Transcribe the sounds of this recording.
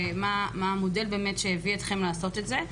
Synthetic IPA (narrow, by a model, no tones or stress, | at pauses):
mamaamodelbeːmetʃejeviet̪χe̞mlaːso̞tetze